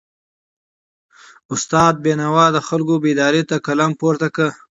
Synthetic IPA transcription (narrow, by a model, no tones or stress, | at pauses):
ʊst̪ɑːd̪̚benawɑd̪əxalkobed̪ɑːɾet̪akalampoɾt̪akə